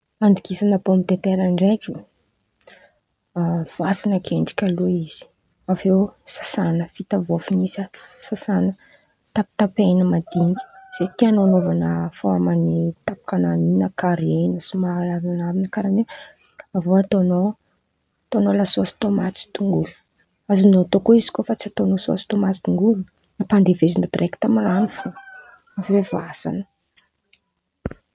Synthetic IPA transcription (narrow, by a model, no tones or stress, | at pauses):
aɳɖ͡ʐikisanəpomit̪et̪eɾaɳɖ͡ʐeki | v̥uasanakʰeɳɖ͡ʐi̥kʲaluiz̥i̥ | avewsḁsanəfit̪avofinisəsasanə | t̪api̥t̪apenəmad̪iŋɡi̥z̥et̪ianoanovanəfoamanit̪apḁkananinakaɾienəsimalavanavinəkaɾane | avoat̪ono | t̪onolasoast̪omat͡si̥t̪uŋɡulu̥ | azinoat̪okoizi̥kofat͡siat̪onosoa̰si̥t̪omat͡si̥d̪uŋɡulu | napand̪evezinod̪rʔeki̥t̪amaranufa | vevasa̰nə̥